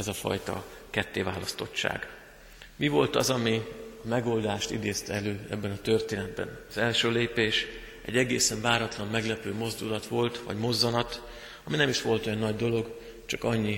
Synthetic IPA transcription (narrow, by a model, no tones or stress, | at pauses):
ɛzɒfɒ̰jt̪ɒ̰ | kɛt̪ːeːvaːlɒst̪o̞t͡ʃːa̰ːɡ | mivo̞lt̪ɒzɒmiɒmɛɡo̞ld̪aːʃt̪ḭd̪eːst̪ɛløːɛ̰bːɛnɒt̪ø̞rt̪eːnɛd̪bɛ̰nɒzɛlʃøːleːpeːʃ | ʔɛ̰ɟːɛɡeːsɛɱvaːɾɒt̪lɒmmɛɡlɛpøːmo̞zd̪ulɒt̪ʋo̞lt̪ʋɒ̰ɟmo̞zːɒnɒt̪ | ɒminɛmiʃʋo̞lt̪o̞jɒnːɒɟd̪o̞lo̞ɡ | t͡ʃɒkɒɲːi